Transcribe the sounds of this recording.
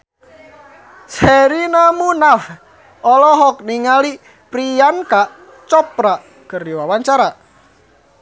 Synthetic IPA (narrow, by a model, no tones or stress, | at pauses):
sɛɾinamunaf | ɔlɔɦɔk̚niŋali | pɾijankaʔ | t͡ʃɔp̚ɾaʔ | kəriwawaɲt͡ʃaɾa